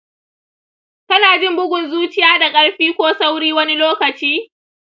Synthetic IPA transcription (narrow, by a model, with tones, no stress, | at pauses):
kɐ˦naː˨d͡ʒɪ˦mbʊ˦ɡʷʊ˨nzuː˦t͡ʃɪ˦jaː˦da˨kʼɐ˦ɽɸiː˦kʷoː˦sa˦wɽiː˦wɐ˦ni˦loː˦kɐ˨t͡ʃiː˦